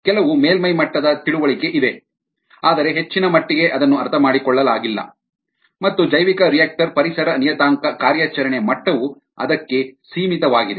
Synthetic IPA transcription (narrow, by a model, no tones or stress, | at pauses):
kɛlɐʋumeːlmɐjmɐʈːɐd̪ɐt̪iɭuʋɐɭike̞ʔid̪e̞ | aːd̪ɐɾeɦet͡ʃːinɐmɐʈːiɡeʔɐd̪ɐnːuɐɾt̪ʰɐmaːɽikɔɭːɐlaːɡilːɐ̰ | mɐt̪ːud͡ʒɐjʋikɐɾijak̚ʈɐɾpɐɾisɐɾɐnijɐt̪aːŋkɐkaːɾjaːt͡ʃɐɾɐɳemɐʈːɐʋu | ɐ̰d̪ɐkːe̞siːmit̪ɐʋaːɡid̪e